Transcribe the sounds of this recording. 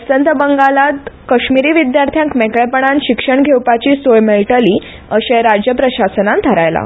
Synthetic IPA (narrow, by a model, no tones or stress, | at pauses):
əsənt̪əbəŋɡalat̪kəɕmiɾiːʋid̪jaɾt̪ʰjãŋkmɛkɭɛpəɳ̃ãnɕikʂəɳɡʱewpat͡ɕiːsoɭmelʈəliː | əɕẽɾad͡ʑjəpɾəɕasənant̪ʰəɾajla̰